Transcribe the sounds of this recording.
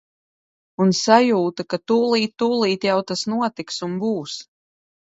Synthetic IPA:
unsajuːt̪akat̪uːlˠiːt̪ːuːlˠiːt̪jawt̪asnuɔt̪iksumbuːs

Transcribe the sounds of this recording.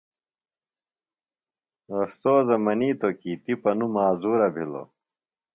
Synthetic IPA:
ɐst̪oːzɐmɐniːt̪okiːt̪ipɐnumaːzuːɾɐbʱilo̰

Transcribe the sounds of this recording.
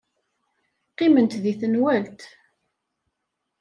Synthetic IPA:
qːɪmənt̪ðiθənwælt̪

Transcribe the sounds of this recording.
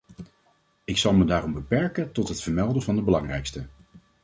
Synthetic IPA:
ɪksɑlˠmədaːrɔmbəpɛɹkəntɔtɦətfəɹmɛlˠdəvɑndəbəlɑŋrɛjkstə

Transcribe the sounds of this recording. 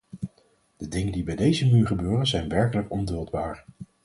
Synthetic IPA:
d̥ədɪŋəndibɛjdejzəmyːɹχəbøːrənzɛjnʋɛɹkələkɔndɵlˠdbaːɹ

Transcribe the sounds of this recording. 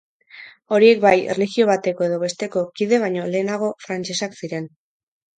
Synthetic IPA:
o̞ɾie̞k̚bajḛrlixio̞β̞at̪e̞ko̞e̞ð̞o̞βe̞st̪e̞ko̞kið̞e̞β̞ajɲo̞le̞ːnaɣ̞o̞fɾant͡ʃe̞saksiɾe̞n

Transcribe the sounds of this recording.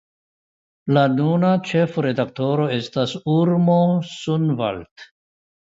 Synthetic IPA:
lanunat͡ʃefɾe̞d̪ak̚t̪oɾoestasuɾmosunva̰lt̪

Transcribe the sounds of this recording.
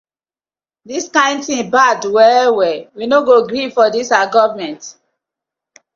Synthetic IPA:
diskãɪ̃ndθĩbadwɛwɛwinoɡoɡɾifɔdisaɡɔvmɛ̃nt

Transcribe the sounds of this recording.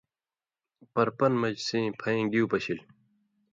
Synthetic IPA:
pɐɾpɐnmɐd͡ʑsĩːpʰɐẽːɡiupɐɕil

